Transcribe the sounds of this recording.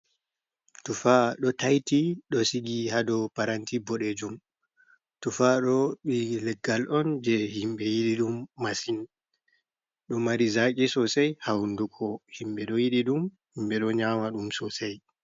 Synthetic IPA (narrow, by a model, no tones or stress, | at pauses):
tufaɗɔtajtiɗɔsiɡihadɔpaɾantibɔɗed͡ʒum | tufaɗɔɓilɛɡːalʔɔnd͡ʒɛhimɓɛjiɗiɗumːasin | ɗɔmaɾizakʲʼɛsɔsajhawndukʰɔhimɓɛɗɔjiɗiɗum | himbɛɗɔɲamaɗumsɔsaj